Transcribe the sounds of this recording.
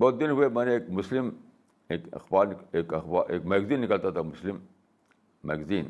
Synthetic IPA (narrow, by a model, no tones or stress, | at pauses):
bod̪inhuemɐneek̚muslim | ekɐ̰xbaːɾnekɐxbaʔekmɐɡziːnːikɐlt̪at̪amuslimː | ɐ̰ɡziːn